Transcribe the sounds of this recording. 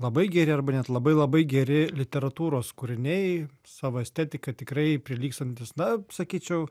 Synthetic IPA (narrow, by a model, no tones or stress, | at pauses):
lˠɐbɐɪɡʲɛɾʲɪɐrbɐnʲɛt̪lˠɐbɐɪlˠɐbɐɪɡʲɛɾʲɪlʲɪt̪ʲɛɾɐt̪uːɾoːskʊɾʲɪnʲɛɪ | sɑːʋoːɛsʲt̪ʲɛt̪ʲɪkɐt̪ʲɪkɾɐɪpʲɾʲɪlʲiːkst̪ɐnʲt̪ʲɪsnɐsɐkʲiːt͡ʃʲɛʊ